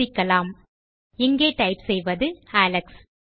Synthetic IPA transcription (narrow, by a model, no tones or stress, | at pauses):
ɪkːɐlaːm | ɛŋɡeːʈɐɪpsɛjʋɐðɯaːlɐks